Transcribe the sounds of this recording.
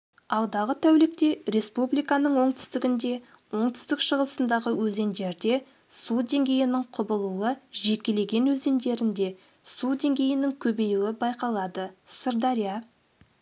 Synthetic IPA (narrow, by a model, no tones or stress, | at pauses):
ɑlˠd̪ɑʁət̪ʰæwlɪk̚t̪e̞ɾe̞spublijkɑnəɴwo̞ɴt̪ʏ̥st̪ɪɡʲɪnd̪e̞ | wo̞ɴt̪ʏ̥st̪ɪkʃəʁəlˠəsənd̪ɑʁəwɵze̞nd̪e̞ɾd̪e̞ | sud̪e̞ŋɡʲe̞jɪnɪɴqʰʊbəlˠuəʒe̞kʲe̞le̞ɡʲe̞nwɵze̞nd̪e̞ɾɪnd̪e̞ | sud̪e̞ŋɡʲe̞jɪnɪŋkʲʰɵbe̞juwɪbɑjqɑlˠɑd̪əsəɾd̪ɑɾija